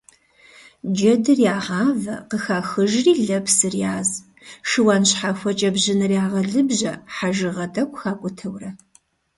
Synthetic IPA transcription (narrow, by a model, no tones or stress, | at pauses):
d͡ʒɐdɨrjaːʁɑːvɐqəxaːxɨʒriːɮɐpsɨrjaːz | ʃɨwaːnɕħaxʷɐt͡ʃʼɐbʑɪnɨrjaːʁɐɮɨbʑɐħaʒɨʁɐdʰɐkʷʼxaːkʷʼʊtʰɐwrɐ